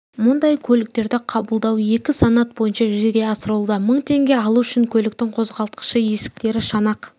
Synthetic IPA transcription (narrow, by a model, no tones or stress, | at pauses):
mʊnd̪ɑjkʲʰɵlɪk̚t̪e̞ɾd̪ɪqʰɑbəlˠd̪ɑwe̞kʲɪsanat̪̚bo̞jənʃɑʒʏzeɡʲe̞ɑsəɾəlˠd̪əməɴt̪ʰe̞ŋɡʲe̞ɑlˠuʏʃɪŋkʲʰɵlɪk̚t̪ɪŋqʰo̞zʁɑlˠt̪̚qə̥ʃəje̞sɪ̥k̚t̪e̞ɾɪʃɑnɑq